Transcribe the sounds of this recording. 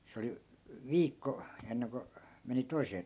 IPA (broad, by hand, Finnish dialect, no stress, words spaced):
se oli ʋiːkːo enːeŋko meni toiseː